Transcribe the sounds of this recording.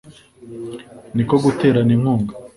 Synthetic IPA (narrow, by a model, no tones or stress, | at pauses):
niko̞ɡute̞ːɾanimhuːŋɡa